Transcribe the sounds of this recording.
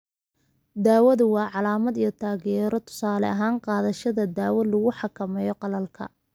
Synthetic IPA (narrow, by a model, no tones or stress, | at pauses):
d̪aːwɐðʊwɑːʕɑlaːmɐd̪ijɞt̪ʰaːɣjɛːɾɔt̪ʰʊ̥saːlɛ̰ɐɦaːɴqɑːðɐʃɐðɐd̪aːwɐlʊɣʊħɑkʰɐmɛjɔqɑlɐlkʰɐ̰